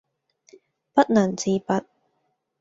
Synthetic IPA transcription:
pɐ˦˥t̚nɐː˨˩nt͡siː˧pɐ˨˧t̚

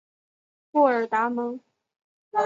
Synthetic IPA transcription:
pɔ˥˩ə˞˨˩t̪a˧˥mɤ˧˥ŋ

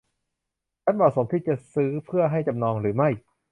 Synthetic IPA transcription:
t͡ɕʰa˥˩mɔː˨˩so˩˦mt̪ʰiː˥˩t͡ɕa˨˩sɯː˦˥pʰɯ˥˩ɐɦa˥˩jt͡ɕa˧mnɔː˧ŋɾɯː˩˦ma˥˩j

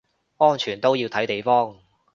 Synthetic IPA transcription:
ŋɔː˥nt͡ʃʰyː˨˩nt̪o˥wjiː˧wt̪ʰɐ˨˥jt̪e˨jfɔː˥ŋ

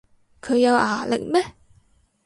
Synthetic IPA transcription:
kʰɵ˨˧ɥjɐ˨˧waː˨˩lɪ̰˨k̚mɛː˥

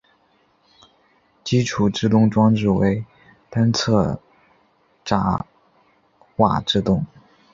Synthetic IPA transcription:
t͡ɕi˥ʈ͡ʂʰu˨˩ʈ͡ʂɻ̩˥˧t̪ʊ˥˧ŋʈ͡ʂwɑ˥ŋʈ͡ʂɻ̩˥˩we˧˥ɪ | t̪a˥nt͡sʰɤ˥˩ | ʈ͡ʂa˧˥ | xwa̰˥˩ʈ͡ʂɻ̩˥˧t̪ʊ˥˩ŋ

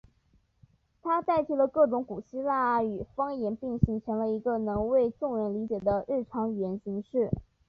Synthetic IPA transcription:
t̪ʰa˥t̪a˥˧ɪt͡ɕʰi˥˩lə˧kɤ˥˩ʈ͡ʂʊ˧˥ŋku˨˩ɕi˥la˥˩y˨˩fɑ˥ŋjɛ˧˥npi˥˩ŋɕi˧˥t͡ɕʰə˧˥ŋlə˧i˧˥ɡə˧nɤ˧˥ŋwe˥˧ɪʈ͡ʂʊ˥˧ŋɻə˧˥nli˧˥t͡ɕjɛ˨˩d̪ə˦ɻɻ̩˥˩ʈ͡ʂʰɑ˧˥ŋy˨˩jɛ˧˥nɕi˧˥ŋʂɻ̩˥˩

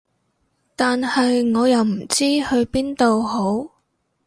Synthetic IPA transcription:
t̪aː˨nhɐ˨jŋɔː˨˧jɐ˨˧wm̩˨˩t͡siː˥hɵ˧ɥpiː˥nt̪o˨˧who˨˥w

